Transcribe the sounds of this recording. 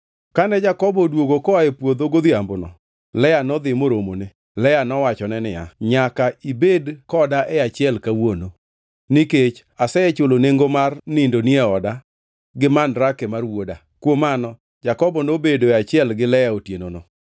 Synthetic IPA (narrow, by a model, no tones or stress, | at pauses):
kanɛd͡ʒakɔbɔdwoɡokɔaɛpwod̪oɡod̪iambʊnɔ̰ | lɛjanɔd̪ɪmoɾomonɪ | lɛjanɔwat͡ʃɔnɛnɪ̰ja̰ɲakaibedkɔdaʔɛat͡ʃɪɛlkawono | nɪket͡ʃ | asɛɛt͡ʃoloneŋɡomarnɪndoniɛɔda | ɡɪmanɾakɛmarwoda | kwomanɔ | d͡ʒakɔbɔnobedoɛat͡ʃɪɛlɡɪlɛjaotjenono